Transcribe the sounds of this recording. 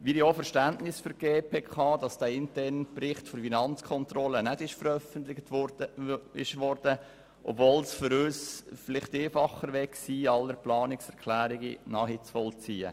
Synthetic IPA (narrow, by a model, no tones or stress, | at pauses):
ʋiɾjofɛɾʃtæntnɪsfʏɾɡ̥eːpʰeːkʰɑːd̥ɑsd̥æːɪntɛrnprɪχtfoɾfinɑnt͡skʰɔntrɔlənɛdɪʃfəɾœfəntlɪ | ɪʃʋɔɾd̥ə | ʔɔ̰bvoːlsfʏɾøːsfɪlɪχteːfɑχːəɾʋɛksiːɑlːəɾplɑːnɪksɛɾkʰlæːɾɪɡḭnɑːhit͡sfɔlt͡siːə̰